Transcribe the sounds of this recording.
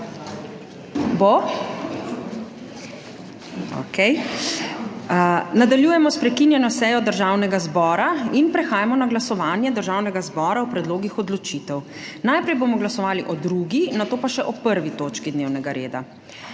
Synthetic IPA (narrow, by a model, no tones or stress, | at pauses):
bo | o̰kʰɛj | nad̪aljuːjɛmɔspɾɛkinjɛnɔsɛjɔd̪əɾʒawnɛɡazbɔːɾainpɾɛxaːjamɔnaɡlasɔʋaːnjɛd̪əɾʒawnɛɡazbɔːɾaupɾɛd̪loːɡixɔd̪lɔt͡ʃit̪ɛw | najpɾɛjboːmɔɡlasɔʋaːliʔɔd̪ɾuɡinat̪oːpaʃɛʔɔpəɾʋit̪oːt͡ʃkid̪neːwnɛɡaɾeːd̪a̰